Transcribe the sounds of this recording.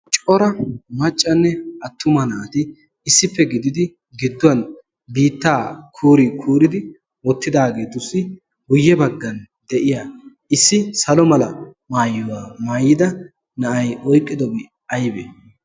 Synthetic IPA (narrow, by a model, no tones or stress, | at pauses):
t͡ʃʼɔɾɐmɐt͡ʃʼːɐnːɛɐt̪ːʊmɐnaːt̪ɪː | sːɪpːɛɡɪd̪ɪd̪ɪ | ɡɪd̪ːʊwɐn | biːt̪ːaːkʰuːɾikʰuːɾɪd̪ɪ | wɔt̪ːɪd̪aːɡe̞ːt̪ʊsːɪ | ɡʊjːɛbɐɡːɐn | d̪ɛʔɪjaː | ɪsːɪsɐlɔmɐlɐmaːjːɔwaːmaːjɪd̪ɐ | nɐʔɐjɔjkʼːɪd̪ɔbɪ | ɐjbɛ̰